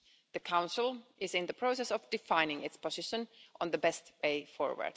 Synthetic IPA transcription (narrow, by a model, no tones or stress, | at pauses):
ðɨkʰãʊ̃nsl̩ˠʔɪzɨ̃nðɨpʰɹ̥oʊsɛsʌvdɨfãɪ̃nɪ̃ŋɪtspəzɪʃə̃nʔə̃nðəbɛst̚weɪfɔ̰ɹwə̰˞d̥